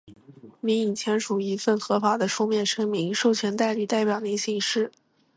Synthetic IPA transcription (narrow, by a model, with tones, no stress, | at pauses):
mi˧˥i˨˩ŋt͡ɕʰjɛ˧˥nʂu˨˩i˧˥fə˥˩nxɤ˧˥fa˧˥d̪ə˧ʂʰu˥mjɛ˥˩nʂɤ˥ŋmi˧˥ŋʂo˥˩ʊt͡ɕʰɥɛ˧˥nt̪a˥˧ɪli˥˧t̪a˥˩ɪpjɑ˨˩ʊni˧˥ɕi˥˩ŋʂɻ̩˥˩